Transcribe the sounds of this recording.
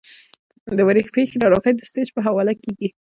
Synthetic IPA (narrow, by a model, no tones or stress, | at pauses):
d̪əwaɾixpexelɑɾɑɣajd̪əst̪et͡ʃpəɦawɑlakeɡi